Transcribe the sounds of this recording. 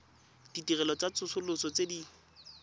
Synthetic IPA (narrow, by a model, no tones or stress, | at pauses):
d̥itirɛlɔt͡sat͡sʊsʊlʊsɔt͡sedi